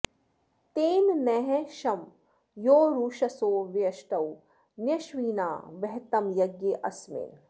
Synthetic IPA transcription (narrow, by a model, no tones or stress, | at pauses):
t̪eːnnɛɦɛ̃ʃɐm | joːɾuːʃɐsoːʋjɐʃʈɐw | njɐʃʋiːna̰ːʋɛɦt̪ɐmjɐɡjeːʔɐsmḛn